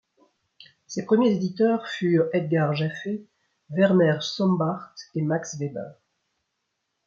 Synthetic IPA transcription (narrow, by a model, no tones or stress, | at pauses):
sepχəmjezed̪it̪œʁfyʁɛd̪̚ɡaʁʒafe | vɛʁnɛʁsɔ̃mbaʁt̪emaksvebɛ̰ʁ